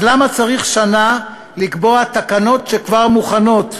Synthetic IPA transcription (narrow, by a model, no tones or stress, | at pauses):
lamat͡saʁiχʃana | likbo̞at̪akano̞tʃekvaʁmuχano̞t